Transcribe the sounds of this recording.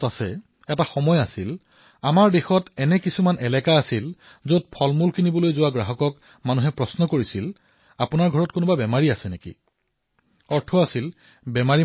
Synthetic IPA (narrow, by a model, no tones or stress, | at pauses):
tasɛ̰ | ɛtaxɔmɔjasil | amaɹdexɔtɛnɛkisumanɛlɛkaasil | zod̚pʰɔlmulkʰinibɔlojzʊwaɡɹaɦɔkɔk | manuɦɛpɹɔsnɔkoɹisil | apunaɹɡʱɔɹɔtkonʊbabɛmaɹiasɛnekḭ | ɔɹtʰɔasil | bɛmaɹi